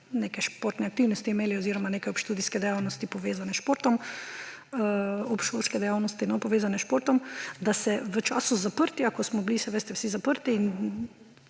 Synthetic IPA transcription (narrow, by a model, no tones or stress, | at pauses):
neːkajʃpoːɾt̪nɛak̚t̪iwnɔst̪iɛmeːliɔziːɾɔmaneːkajɔpʃt̪uːd̪iskɛd̪ɛjawnɔst̪ipɔʋeːzanɛʃpoːɾt̪ɔm | ɔpʃolskɛd̪ɛjawnɔst̪inɔpɔʋeːzanɛʃpoːɾt̪ɔmd̪asɛʋət͡ʃa̰ːsuzapəɾt̪iakɔsmɔblisɛʋəst̪ɛwsizapəɾt̪iːn